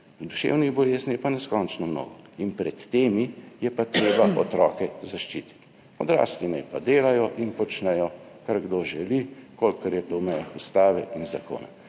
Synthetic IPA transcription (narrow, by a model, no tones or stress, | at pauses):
d̪uʃḛwniɣbɔleːznijɛpanɛskɔnt͡ʃnɔmno̰ːɡɔinpɾɛt̪ːeːmijɛpat̪ɾeːbaʔɔt̪ɾɔːkɛzaʃt͡ʃiːt̪i̥t̪ | ɔd̪ɾa̰ːslinɛjpad̪eːlajɔʔinpɔt͡ʃnɛjɔ | kaɾɡd̪oːʒɛlikolkːɐɾjɛt̪owmɛjaxust̪aːʋɛʔinzako̰ːna̰